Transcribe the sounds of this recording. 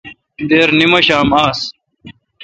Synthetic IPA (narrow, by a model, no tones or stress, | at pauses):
d̪eːɾnimɐɕaːmaːs